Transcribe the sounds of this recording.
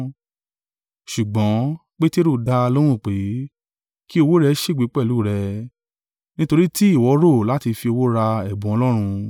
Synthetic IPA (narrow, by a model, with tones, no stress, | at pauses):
ʃu˨ɡ͡bɔ̃˨˦k͡pe˦te˦ɾo˦˨da˧lo˦ɾ̃ũ˦˨k͡pe˨˦ | ki˦o˧wo˦ɾɛ˧˦ʃe˦˨ɡ͡bi˨˦k͡pɛ˦˨lu˨˦˨ɾɛ˧ | nĩ˦to˧ɾi˦ti˦i˦˨wɔ˨˦ɾo˦˨la˨˦ti˧fi˧o˧wo˦ɾa˧ɛ˦˨bũ˨˦ɔ˧lɔ˦ɾ̃ũ˧